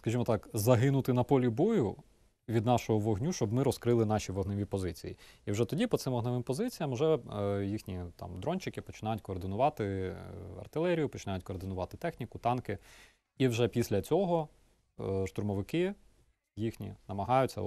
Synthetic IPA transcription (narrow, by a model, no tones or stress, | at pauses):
skɐʒimɔt̪ɑkzɐɦɪnʊt̪ɪnɐpɔlʲibɔjʊ | ʋʲid̪nɑʃɔɦɔʋɔɦnʲuʃt͡ʃɔbmɪɾɔskɾɪlˠɪn̪ɑʃʲiʋɔɦnɪʋʲipɔzɪt͡sʲḭjiiwʒɛt̪ɔdʲipɔt̪sɪmɔɦnɪʋɪmpɔzɪt͡sʲijɐmwʒɛjixnʲit̪ɑ̰md̪ɾɔnʲt͡ʃɪkɪpɔt͡ʃɪnɑjʊtʲkɔːrd̪ɪnʊʋɑt̪ɪ | ɐ̰rt̪ɪlˠɛɾʲijʊpɔ̥t͡ʃɪnɑjʊtʲkɔːrd̪ɪnʊʋɑt̪ɪt̪ɛxnʲikʊt̪ɑnkɪ | iwʒɛpʲisʲlʲɐt͡sʲɔɦɔ | ʃt̪ʊrmɔʋɪkɪ | jixnʲḭnɐmɐɦɑjʊt͡sʲɐ̰